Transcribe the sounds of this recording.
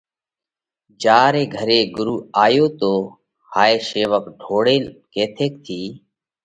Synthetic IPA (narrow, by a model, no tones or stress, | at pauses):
d͡ʒaːɾeːɡʱəɾeːɡʊɾuːaːjoːt̪oː | haːeːʃeːʋək̚ɖʱoːɽeːlkeːt̪ʰeːk̚t̪ʰiː